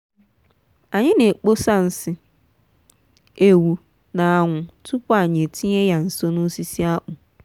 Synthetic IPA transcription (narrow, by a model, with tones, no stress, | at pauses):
a˨ɲɪ̃˦nẽ˨k͡po˦sa˦n̩˨sɪ˦ | e˨wu˨ | nã˨a˨ŋʷʊ̃˨tʰʊ˦pʊ˦a˨ɲ˨ẽ˨tʰĩ˦e˦ja˨n̩˨so˦nʊ̃˦si˦si˦a˦ʔʊ̃˨